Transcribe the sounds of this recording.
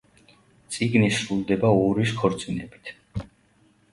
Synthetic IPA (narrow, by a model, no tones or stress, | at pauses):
t̪sʼiɡnisɾulˠd̪ɛbauɾiskʰɔɾt̪sʼinɛbit̪ʰ